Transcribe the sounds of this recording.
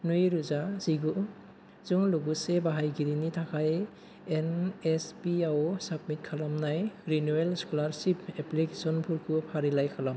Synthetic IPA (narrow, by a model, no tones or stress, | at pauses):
nujɾuzaziɡu | zuŋluɡusebaɦajɡiɾinitʰakʰaj | enespiaosab̚mit̚kʰalamnajɾinuwelskɔlaɾsipʰeplikesɔnpʰuɾkʰupʰaɾilajkʰalam